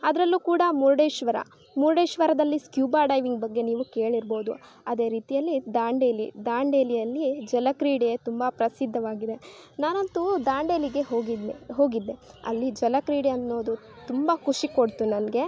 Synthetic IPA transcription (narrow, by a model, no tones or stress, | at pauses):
ɐd̪ɐɾɐlːukuːɽɐmuɾɖeːʃʋɐɾɐ̰ | muɾɖeːʃʋɐɾɐd̪ɐlːiskjuːbaːɖɐjʋiŋɡbɐɡːe̞niːʋuke̞ːɭiɾboːd̪u | ɐd̪e̞ːɾiːt̪ijɐlːid̪aːɳɖeːlḭd̪aːɳɖeːlijɐlːid͡ʒɐlɐkɾiːɽiet̪umbɐpɾɐsid̪ʱːɐʋaːɡid̪e̞naːnɐnt̪ud̪aːɳɖeːliɡe̞ɦoːɡid̪eɦo̞ːɡid̪ːeɐ̰lːid͡ʒɐlɐkɾiːɽiɐnːo̞ːd̪u | t̪umbɐkʰuʂiko̞ɽt̪unɐnɐɡe̞